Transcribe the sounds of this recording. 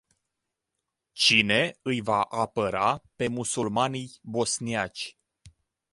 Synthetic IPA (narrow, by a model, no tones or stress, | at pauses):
t͡ʃine̞ɨjvaʔapəɾape̞musulmanijbo̞sniat͡ʃʲ